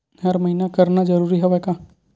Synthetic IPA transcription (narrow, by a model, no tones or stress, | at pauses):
ɦɐɾmɐɦiːnakɐɾnazɐɾuːɾiɦoʋɛkãː